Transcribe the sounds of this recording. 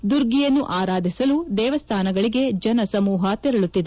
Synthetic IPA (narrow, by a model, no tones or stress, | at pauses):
d̪uɾɡijɐnːuʔaːɾaːd̪ʱisɐlud̪ɛːʋɐst̪ʰaːnɐɡɐɭiɡe̞d͡ʒɐnɐsɐmuːɦɐt̪ɛɾɐɭut̪ːid̪e